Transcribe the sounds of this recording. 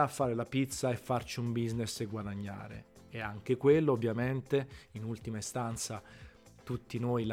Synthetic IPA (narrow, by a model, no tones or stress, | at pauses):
afːaːɾelapit̪sːaefːart͡ʃiumbizneseɡwad̪aɲːa̰ːɾḛ | ɛaŋk̟ekwelːoovːjament̪einult̪imaist̪ant̪sa | t̪ut̪ːinojl